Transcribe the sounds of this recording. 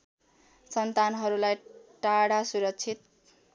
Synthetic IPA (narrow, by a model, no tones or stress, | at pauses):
sʌnt̪anɦʌɾulajʈaɽasuɾʌkt͡sʰit̪̚